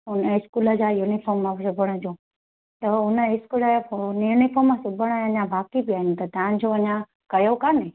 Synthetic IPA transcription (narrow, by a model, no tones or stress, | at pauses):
ʊnəɪskuləd͡ʑaːjunifoɾmːãsʊbʱəɽ̃əd͡ʑõː | t̪ɐʊnəɪskulənjunifoɾmːãsʊbʱəɽ̃əɐɲãbaːkibijaːɦɪnt̪ɐt̪ɐãnd͡ʑoɐɲã | kɐjokanẽ